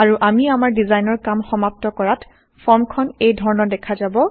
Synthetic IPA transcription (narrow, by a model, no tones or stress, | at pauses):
aɹuʔamiamaɹdizajnɔɹkamxɔmap̚tɔkɔɹat | pʰɔɹmkʰɔnejdʱɔɹɔnɔdɛkʰazabɔ